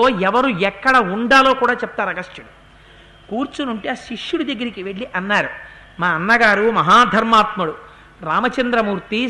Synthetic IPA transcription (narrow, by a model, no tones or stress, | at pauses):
oːɛʋɐɾuɛkːɐɽɐuɳɖaːlo̞ːkuːɽaːt͡ʃɛp̚t̪aːɾɐɡɐʂʰjuɽu | kuːɾt͡ʃunuɳʈeaʃiʂjuɽud̪ɐɡːɐɾikiʋe̞ɭːiʔɐnːaːɾu | maːɐnːɐɡaːɾumɐɦaːd̪ʱɐɾmaːt̪muɽu | ɾaːmɐt͡ʃɐnd̪ɾɐmuːɾt̪i